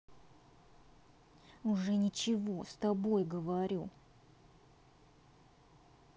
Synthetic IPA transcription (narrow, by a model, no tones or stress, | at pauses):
ʊʐɛnʲɪt͡ɕɪvo̞st̪ɐbojɡəvɐɾʲu